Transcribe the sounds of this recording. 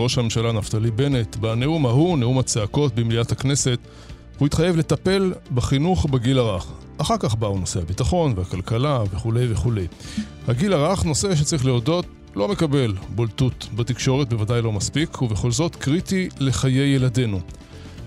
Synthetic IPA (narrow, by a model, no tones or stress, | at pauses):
ʁo̞ʃhame̞mʃalaːnaftalibe̞netbane̞umahuneumat͡seako̞t̚bemliathakne̞se̞t | huit̪χaje̞vle̞tape̞lbaχinuχbeɡilaʁaχ | ʔaχaʁkaχbauno̞sehabitaχo̞nvehakalkalaveχule̞jveχule̞j | haɡilaʁaχno̞seʃ̬et͡saʁiχleodo̞t | lo̞me̞kabe̞lboltutbatikʃo̞ʁet̚be̞vadajlo̞maspikʰuveχo̞lzo̞tkʁitile̞χaje̞jelade̞nu